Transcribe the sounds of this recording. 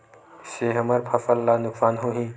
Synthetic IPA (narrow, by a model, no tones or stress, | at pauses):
seɦəməɾpʰəfəlːanʊksaːnɦoɦĩː